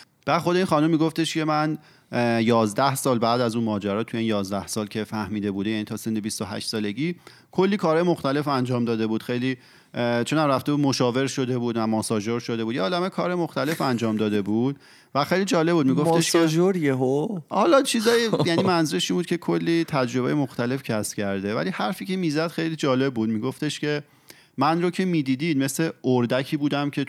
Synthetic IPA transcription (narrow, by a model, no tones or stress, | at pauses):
b̥æːd̪xo̞d̪e̞iːnxɒːnumːiɡoft̪e̞ʃcʰe̞mæn | jɒːzd̪æhsɒːlbæːd̪æzuːnmɒːd͡ʒæɾɒːt̪ʰujeiːnjɒːzd̪æhsɒːlcʰe̞fæhmiːd̪e̞buːd̪ejænit̪ʰɒːsend̪ebist̪oɦæ̰ʃt̪sɒːle̞ɟiː | kʰo̞lːiːkʰɒːɾɒːjemo̞xt̪æle̞fænd͡ʒɒːmd̪ɒːd̪e̞buːd̪̥xejliː | t͡ʃʰonæmɾæft̪e̞bud̪mo̞ʃɒːve̞ɾʃo̞d̪e̞buːd̪væmɒːsɒːd͡ʒo̞ɾʃo̞d̪e̞buːd̪jɒːlæmekʰɒːɾɒjemo̞xt̪æle̞fænd͡ʒɒːmd̪ɒːd̪e̞buːd̪̥̚ | væxejliːd͡ʒɒːle̞bud̪miːɡomft̪eʃʰed͡ʒoɾjeɦohɒːlɒːt͡ʃʰiːzɒːjejæniːmænzuːɾeʃiːmbud̪̥̚cʰʲe̞kʰolːiːt̪ʰæd͡ʒɾo̞bḛjemo̞xt̪æle̞fcʰæscʰæɾd̪e̞væ̰lihæɾfiːcʰe̞mizæd̪̥xe̞jlid͡ʒɒːle̞b̚ːuːd̪miːɡo̞ft̪e̞ʃce̞ | mænɾocʰe̞miːd̪iːd̪iːd̪me̞sle̞oɾd̪æcʰiːbuːd̪æmcʰe̞